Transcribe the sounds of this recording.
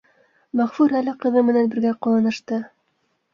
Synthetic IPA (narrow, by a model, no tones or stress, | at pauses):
mæχfuɾælɘqɤ̆ðɤmɘ̆nænbɘ̆ɾɡæqɒlˠɤ̆nɤ̆ʃt̪ɤ